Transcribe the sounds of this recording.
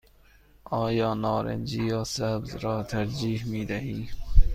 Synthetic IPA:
ɑːjɑːnɑːɾæ̰nd͡ʒiːjɑːsæbzɾɑːt̪ʰæɾd͡ʒiːhmiːd̪æɦiː

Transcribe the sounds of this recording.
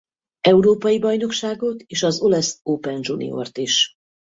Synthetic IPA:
ɛuɾoːpɒjibɒjno̞kʃaːɡo̞t̪eːʃɒzo̞lɛsoːpɛnʒunḭo̞̰rt̪iʃ

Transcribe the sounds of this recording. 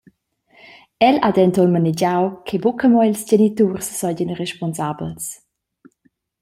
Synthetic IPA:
ɛladɛnt̪ɔlmanid͡ʒawkʰebukəmɔjlsd͡ʒenit̪ursːɔjɟənreʃpɔnsabə̰ls

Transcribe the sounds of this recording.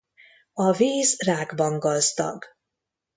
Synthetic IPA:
ɒviːzraːɡbɒŋɡɒzd̪ɒ̰ɡ

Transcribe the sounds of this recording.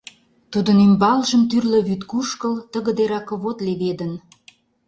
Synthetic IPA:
t̪ud̪ənymbɑlʒəmt̪yrlə̆βyt̪kuʃkəlt̪əɣə̆d̪eɾɑkə̆βot̪leβed̪ən

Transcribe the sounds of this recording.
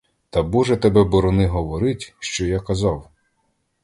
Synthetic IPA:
t̪ɐbuʒɛt̪ebɛbɔɾɔnɪɦɔʋɔɾɪtʲʃt͡ʃɔjakɐzɑw

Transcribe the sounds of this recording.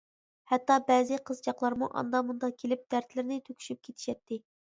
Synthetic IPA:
hɛt̪ːɑbɛːzɪqʰəzd͡ʒɑqlˠɑɾmuʔɑ̰nd̪ɑmund̪ɑkʲʰelɪp̚d̪̥æɾt̪lɪɾnɪt̪ʰøkʲʰy̥ʃyp̚kʲʰet̪ʰi̥ʃɛt̪ːɪ

